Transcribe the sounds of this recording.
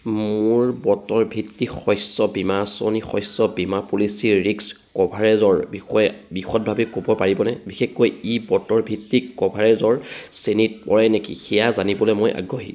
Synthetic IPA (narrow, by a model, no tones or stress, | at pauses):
mʊɹbɔtɔɹbʱitːixɔjsɔbimasɔnixɔjsɔbimapulisiɹiks | kɔbʱaɹɛzɔɹbiɔɛbixɔt̚bʱabɛkobɔpaɹibɔnɛbixexːojibɔtɔɹbʱitːikkɔbʱaɹɛzɔɹsenit̚pɔɹɛnekḭxɛjazanibɔlɛmojʔa̰ɡʱoɦḭ